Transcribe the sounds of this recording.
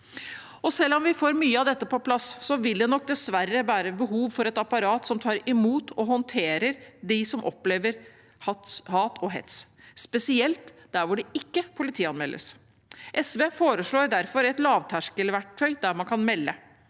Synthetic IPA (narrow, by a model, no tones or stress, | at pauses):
ɔsɛlːɔmʋɪfoːɾmyːəɑʋd̪ɛt̪ːəpʰɔpʰlɑsːɔʋɪld̪ɛnɔk̚d̪ɛsʋæɾːəʋæːɾəbəɦuːʋfɔɾɛt̪ɑpɑɾɑːt̪sɔmt̪ʰɑːɾɪmuːt̪ʰɔɦɔnt̪ʰeːɾəɾd̪ɪsɔmʔɔ̰pleːʋəɾ | hɑhɑːt̪ʰɔɦɛ̰t̪sspɛsɪɛlt̪d̪̥æɾʋʊɖɛɪkːəpʰʊlɪt̪ʰiːɑnmɛlʔə̰s | ʔɛsʋeːfoːɾəʂɭoːɾd̪æɾfɔɾɛt̪lɑːʋt̪ʰæʂkəlʋæʈœʏd̪æɾmɑnkʰɑnmɛlːə